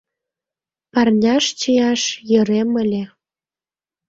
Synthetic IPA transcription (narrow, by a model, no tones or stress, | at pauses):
pɑrnʲɑʃt͡ɕəjɑʃjɤ̆ɾemə̆lʲĕ